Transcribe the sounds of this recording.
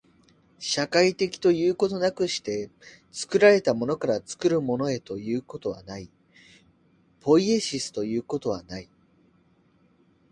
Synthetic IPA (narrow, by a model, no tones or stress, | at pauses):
ɕakait̪e̞kʲi̥t̪o̞jɯ̟ːko̞t̪o̞nakɯ̟ɕi̥t̪e̞ | t͡sɨ̥kɯ̟ɾaɾe̞t̪amo̞no̞kaɾat͡sɨ̥kɯ̟ɾɯ̟mo̞no̞e̞t̪o̞jɯ̟ːko̞t̪o̞βa̰nai | po̞ie̞ɕisɨ̥t̪o̞jɯ̟ːko̞t̪o̞βanai